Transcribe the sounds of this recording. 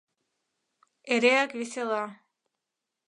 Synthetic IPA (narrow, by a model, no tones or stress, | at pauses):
eɾeakβisela